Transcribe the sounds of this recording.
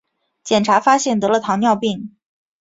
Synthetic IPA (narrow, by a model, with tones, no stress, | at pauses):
t͡ɕjɛ˨˩nʈ͡ʂʰa˧˥fa˥ɕjɛ˥˩nt̪ɤ˧˥lə˧t̪ʰɑ˧˥ŋnjɑ˥˧ʊpi˥˩ŋ